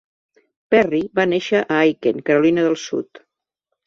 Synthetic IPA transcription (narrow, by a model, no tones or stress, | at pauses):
pɛriβaneʃəʔaajkenkəɾulinəðəlˠsṵt̪